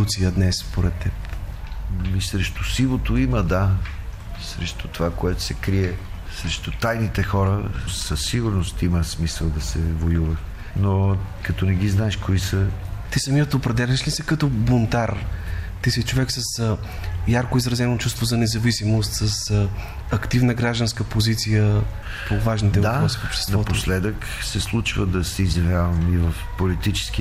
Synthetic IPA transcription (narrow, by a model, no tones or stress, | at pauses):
ut̪sijəd̪nɛsːpoɾɛt̪ːɛp | misɾɛʃt̪ʊsilˠot̪oiməd̪a | sɾɛʃt̪ʊ̥t̪ovakoɛt̪ʊ̥sɛkɾiɛ | sɾɛʃt̪ʊt̪ajnit̪ɛxɔɾəsəsːiɡʊɾnost̪iməsmisəlˠd̪ɐsɛvojuvɐ | nokɐt̪ɔnɛɡiznaɛʃkoisət̪isɐmiət̪opɾɛd̪ɛlʲɛʃlisɛkɐt̪ɔbont̪aɾt̪isit͡ʃovɛksəs | jaɾkʊizɾɐzɛnot͡ʃust̪vozɐnɛzɐvisimost̪sɐs | ɐkt̪ivnəɡɾaʒd̪ənskəpozit̪sijə | povaʒnitd̪ɛvapɾɔsifopʃt̪ɛ̥snɐɔtp̪oslɛd̪ək | sɛslˠut͡ʃvəd̪ɐsɛizjɐvjavɐmivɐfpolit̪it͡ʃɛ̥ski